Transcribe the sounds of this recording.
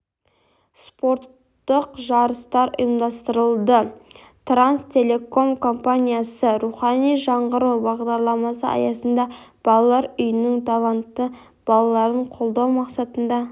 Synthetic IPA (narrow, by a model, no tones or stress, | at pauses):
spo̞ɾt̪ːəqʒɑɾəst̪ɑɾʊ̰jəmd̪ɑst̪əɾəlˠd̪ə | t̪ranst̪ʰe̞le̞ko̞mkʰo̞mpanʲijasəɾuχɑnijʒɑɴʁəɾəwbɑʁd̪ɑɾlˠɑmɑsəɑ̰jɑsənd̪ɑb̥ɑlˠɑlˠːɑɾʏjɪnɪŋt̪ʰɑlˠant̪ːə | b̥ɑlˠɑlˠɑɾəɴqʰo̞lˠd̪ɑwmɑqsɑt̪ənd̪ɑ